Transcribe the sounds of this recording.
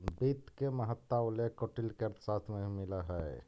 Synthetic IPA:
bit̪keməɦət̪ːaolekoʈilkeɾt̪sat̪ʰmemiləɦəj

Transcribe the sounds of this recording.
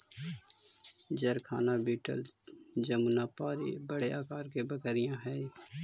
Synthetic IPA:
d͡ʒəɾkʰaːnabiːʈə̰ld͡ʒəmunapaːɾḭbəɽeaːkaːɾkebəkəɾɪjãɦɛː

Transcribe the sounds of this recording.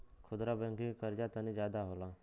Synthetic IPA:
kʰʊd̪ɾabɛ̃ŋkikəɾd͡ʒat̪ənid͡ʒjaːd̪aɦolaː

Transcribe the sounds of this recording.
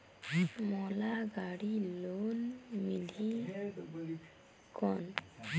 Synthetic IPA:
mɔlaɡaɽilonmili | kɔn

